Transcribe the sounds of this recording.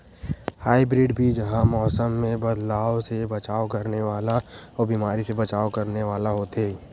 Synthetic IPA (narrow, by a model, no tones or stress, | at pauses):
haːɪbɾɪːɖbʱid͡ʒɐɦãmɔːsəmːẽbɐd̪laːosebɐt͡ʃaːokɐɾneʋaːlaɔːbiːmaːɾisebɐt͡ʃaːokɐɾneʋaːlaɦoːt̪eː